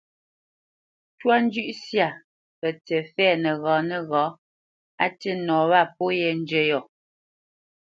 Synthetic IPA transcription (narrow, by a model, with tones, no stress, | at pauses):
twa˦n˦d͡ʒʉ˦ʔsja˦˨ | pɛ˨tɛ˨fɛː˦˨nə˨ɣɔː˨˦nə˨ɣɔ˨˦ | a˦te˦nɔː˨˦βa˦˨p̚o˦jɛ˨n̩˦d͡ʒə˦jɔ˨